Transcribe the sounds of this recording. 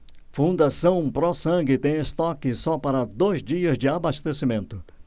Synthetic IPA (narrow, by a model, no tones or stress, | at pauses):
fũnd̪asɐ̃w̃pɾɔsɐ̃ɡɪt̪ẽj̃est̪ɔkɪsɔpaɾɐd̪ojzd͡ʒiɐzd͡ʒɪabast̪esimẽnt̪ʊ